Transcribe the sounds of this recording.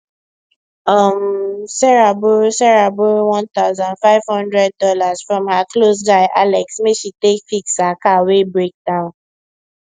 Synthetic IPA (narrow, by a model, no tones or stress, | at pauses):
ʌ̃msɛɹabosɛɹabowɔ̃nt̪aʊzãndfaɪv̥hɔ̃ndɹɛd̚ːɔlaz̥fɹɔ̃mhaklosd͡ʒaɪʔalɛksmeʃitekfiksakawebɹek̚dãʊ̃n